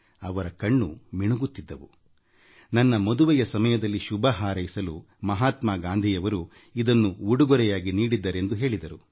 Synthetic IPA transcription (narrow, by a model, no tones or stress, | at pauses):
ɐʋɐɾɐkɐɳːumiɳuɡut̪ːid̪ːɐʋu | nɐnːɐmod̪uʋɐjɐsɐmɐjɐd̪ɐlːiʃubʱɐɦaːɾɐjisɐlu | mɐɦaːt̪maːɡaːnd̪ʱijɐʋɐɾu | id̪ɐnːuuɽuɡɔɾɛjaːɡiniːɽid̪ːɐɾe̞nd̪uɦe̞ːɭid̪ɐɾu